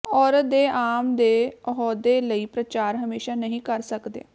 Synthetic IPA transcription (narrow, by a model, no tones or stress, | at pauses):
ɔːɾət̪̚d̪eːʔaːmd̪eːɔɦɔːd̪eːləiːpɾət͡ʃaːɾɦəmeːʃaːnəɦĩːkəɾsəkd̪ḛː